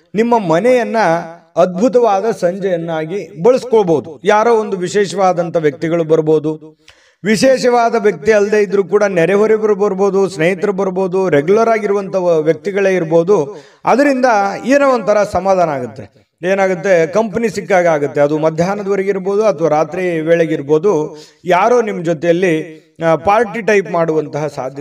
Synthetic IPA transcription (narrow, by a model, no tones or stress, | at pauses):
nimːɐmɐnɛjɐnːɐː | d̪̚bʱut̪̬ɐʋaːd̪ɐsɐɲd͡ʒɐjɐnːaːɡibɐɭɐskoɭbo̞ːd̪ujaːɾoːond̪uʋiʃɛːʂɐʋaːd̪ɐnt̪ɐʋjɐk̚t̪iɡɐɭubɐɾboːd̪u | ʋiʃɛːʃɐʋaːd̪ɐʋjɐk̚t̪iɐld̪e̞ːid̪ɐɾuːkuːɽɐnɛɾɛɦɐɾibɐɾboːɾbo̞ːd̪usnejit̪ɾɐbɐɾbo̞ːd̪uɾeɡjulɐɾaːɡiɾuʋɐnt̪ʰɐʋjɐk̚t̪iɡɐɭe̞ːiɾbo̞ːd̪u | ɐd̪ɐɾind̪ɐeːnɐʋont̪ʰɐɾɐsɐmaːd̪aːnɐaːɡut̪ːe̞ | eːnaːɡut̪̬ːe̞kɐmpɐnisikːaːɡaːɡut̪ːe̞ɐd̪umɐd̪ʱjaːnɐd̪ɐʋɐɾɐɡiɾbo̞ːd̪uɐt̪ʰɐʋaːɾaːt̪ɾiʋeːɭeɡiɾbo̞ːd̪ujaːɾoːnimːɐd͡ʒot̪ɛjɐlːi | paːɾʈiʈɐjpmaːɽuʋɐnt̪ɐɦɐsa̰ːd̪ʱjɐ